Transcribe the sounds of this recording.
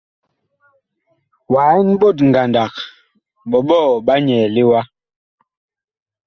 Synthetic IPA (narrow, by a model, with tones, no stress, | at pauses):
wa˨˦i˦n˦bo˦˨tŋ˨ɡa˨nda˨k | ɓɔ˨ɓɔː˦˨ɓa˦ɲɛ˨li˦wa˦